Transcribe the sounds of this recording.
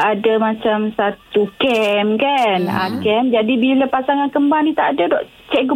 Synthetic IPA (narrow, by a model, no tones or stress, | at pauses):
adamat͡ʃamsat̪ukɛmkana̰kɛmd͡ʒadibilapasaŋankəmbaŋnit̪aʔadadɔʔ | t͡ʃɛʔɡ